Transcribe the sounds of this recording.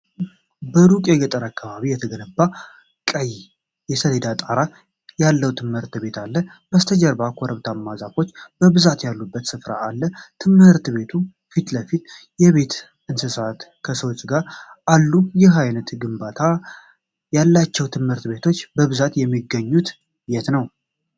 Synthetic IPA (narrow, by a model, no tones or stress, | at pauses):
bəɾukʼeɡət̪ʼəɾakːaβaβijɛt̪ʰəɡənəbːa | kʼəj | jɛsəled̪at̪ʼaɾa | jalːəwt̪ʰɨmhɨɾt̪be̞t̪ʰalːəb̥əst̪ʰəd͡ʒəɾbakʷʰoɾəβt̪ʰamːazafo̞t͡ʃːb̥əβɨzat̪jalːubːət̪sɨfɾa̰ːlːət̪ʰɨmhɨɾt̪be̞t̪ʰu | fit̪ləfit̪jɛβe̞t̪ | ʔɨnsɨsat̪kʰəsəwot͡ʃʼːɡaɾalːujɪɦajnət̪ɡɨmbat̪ʰa | jalːat͡ʃːɛwt̪ʰɨmhɨɾt̪be̞t̪ʰo̞t͡ʃːbəβɨzat̪jɛmːiɡəɲːut̪ | jɛt̪nəw